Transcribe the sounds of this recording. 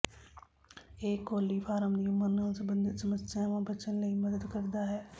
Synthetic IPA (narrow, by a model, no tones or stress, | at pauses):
eːkːoːlifʰaːɾəmd̪iʊmːəɾnə̃ːsəbə̃nd̪ʱsəmət̪ːsamãbət͡ʃənləimɐd̪əd̪kəɾd̪aɦɛː